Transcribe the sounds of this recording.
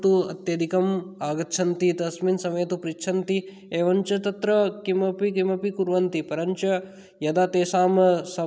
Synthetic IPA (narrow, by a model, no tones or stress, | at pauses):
t̪uɐ̰t̪jɐd̪ikɐmaːɡɐt̪ːʃʰɐnt̪it̪ɐsminsɐmɐjɐt̪upɾit͡ʃt͡ʃʰɐnt̪i | eːʋɐɲt͡ʃɐt̪ɐt̪ɾɐkimɐpikimɐpikuɾʋɐnt̪ipɐɾɐɲt͡ʃɐ | jɐd̪aːt̪eːsaːmɐsɐ